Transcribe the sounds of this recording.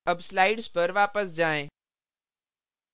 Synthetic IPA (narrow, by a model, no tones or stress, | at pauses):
əbslaːɪɖspɐɾʋaːpəsd͡ʒaːẽː